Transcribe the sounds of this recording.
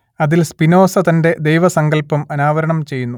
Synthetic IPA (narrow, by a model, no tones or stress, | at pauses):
ɐðilspino̞ːsɐt̪ɐnde̞d̪ejʋɐsɐŋɡɐlpːɐmɐnaːʋɐɾɐɳɐmt͡ɕe̞jːunːu